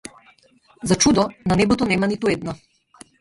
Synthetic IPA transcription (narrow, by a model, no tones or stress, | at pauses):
zat͡ʃud̪ɔnanebɔt̪onɛmanit̪ued̪nɔ